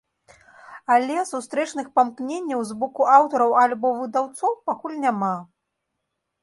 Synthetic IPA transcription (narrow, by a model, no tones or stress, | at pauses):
alʲɛsust̪ɾɛt͡ʂnɨxpamknʲenʲːɐwzbɔkuʔawt̪ɔɾɐwalʲbɔvɨd̪awt̪sɔwpakulʲnʲama